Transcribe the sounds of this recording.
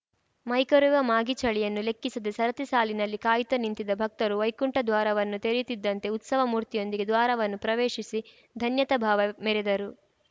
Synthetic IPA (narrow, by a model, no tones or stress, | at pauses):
mɐjkɐɾuʋɐmaːɡit͡ʃɐɭijɐnːule̞kːisɐd̪esɐɾɐt̪isaːlinɐlːikaːjit̪ɐnint̪id̪ɐbʱɐk̚t̪ɐɾuʋɐjkuɳʈɐd̪ʋaːɾɐʋɐnːut̪eɾjut̪id̪ːɐnt̪e̞ut̪sɐʋɐmuːɾt̪ijo̞nd̪iɡe̞d̪ʋaːɾɐʋɐnːupɾɐʋeːʃisi | d̪ʱɐnjɐt̪ɐbʱaːʋɐmɛɾɛd̪ɐɾu